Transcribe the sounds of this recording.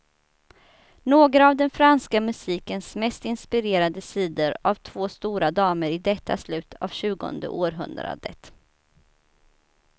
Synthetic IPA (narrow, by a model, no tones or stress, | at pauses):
noːɡɾaːvd̪ɛnfɾanskamɵsiːkənsmɛst̪ɪnspɪɾeːɾad̪əsiːd̪əɾavt̪ʰv̥oːst̪uːɾad̪ɑːməɾɪd̪ɛt̪ʰːa̰slʉ̟ːt̪ʰav̥ɕʉ̟ːɡɔ̰nd̪ə̰ʔoːɾɦɵ̰nd̪ɾa̰d̪ə̰t̪